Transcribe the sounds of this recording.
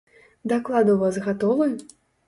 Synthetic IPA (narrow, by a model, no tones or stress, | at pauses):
d̪aklˠad̪uwvazɣat̪ɔvɨj